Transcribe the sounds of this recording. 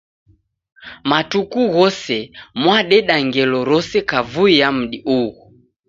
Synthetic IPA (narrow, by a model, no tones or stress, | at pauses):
matukuɣɔsɛmwaɗɛɗaŋɡɛlɔɾɔsɛkavuijam̩ɗiʔuɣu